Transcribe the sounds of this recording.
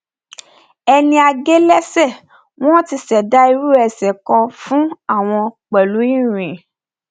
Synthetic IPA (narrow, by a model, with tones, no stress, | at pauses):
ɛ˧nĩ˧a˧ɡe˦lɛ˦sɛ˦˨ | w̃ɔ̃˦ti˧sɛ˨da˦i˧ɾu˦ɛ˨sɛ˨kɔ̃˧fũ˦a˦˨w̃ɔ̃˧k͡pɛ˨lu˨˦i˦˨ɾ̃ĩ˨